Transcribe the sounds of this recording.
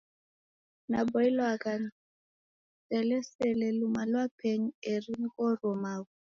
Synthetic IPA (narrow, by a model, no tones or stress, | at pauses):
nabɔilɔakan | t͡sɛlɛsɛlɛlumalwapʰeɲierinikɔrɔmaːkɔ